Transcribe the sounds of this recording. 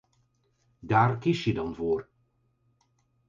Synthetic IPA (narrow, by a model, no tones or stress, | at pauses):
daːrkɪsjədɑnvoːr